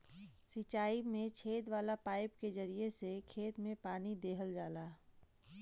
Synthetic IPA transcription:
sit͡ʃaːimẽt͡ʃʰeːd̪ʋaːlapaːɪp̚kezəɾiesekʰeːt̪mẽpaːnid̪eːɦəld͡ʒaːlaː

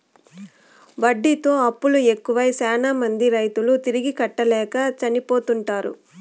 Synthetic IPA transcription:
ʋɐɖːit̪o̞ːɐpːuɭue̞kːuʋɐjsɛːnamɐnd̪iɾɐjt̪ulut̪iɾiɡikɐʈːɐlɛːkɐt͡ʃɐnipo̞ːt̪uɳʈaːɾṵ

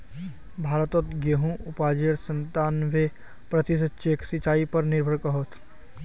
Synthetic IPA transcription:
bʱaːɾət̪ot̪ɡeɦũʔʊpaːd͡ʒeɾsə̃nt̪aːnʋe | pɾɐt̪is̬ət͡ʃeːksit͡ʃaːipɐɾnɪɾbʱəɾkɐɦoːt̪ʰ

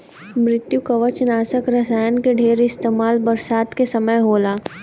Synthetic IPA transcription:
mɾɪt̪jukɐʋət͡ʃnaːsəkɾɐsaːjənkeɖʱeːɾɪst̪eːmaːlbɐɾsaːt̪kesɐməjɦoːlaː

